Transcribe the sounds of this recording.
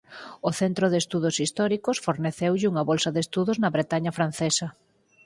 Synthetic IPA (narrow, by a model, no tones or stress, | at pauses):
oθent̪ɾoðest̪uðosist̪ɔɾikosfoɾneθewʎɪuŋɐβolsɐðest̪uðʊznɐβɾet̪aɲɐfɾan̟θesɐ